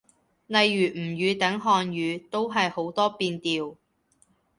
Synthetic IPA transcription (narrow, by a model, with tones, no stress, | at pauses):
nɐ˨jːyː˨˩m̩˨˩jyː˨˧t̪ɐ˨˥ŋɦɔː˧njyː˨˧t̪o˥wɦɐ˨jho˨˥wt̪ɔː˥piː˧nt̪iː˨w